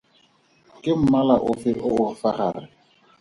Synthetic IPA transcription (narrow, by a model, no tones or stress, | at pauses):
kʼɪm̩malaʔʊfɪʔʊʊfaχaːrɪ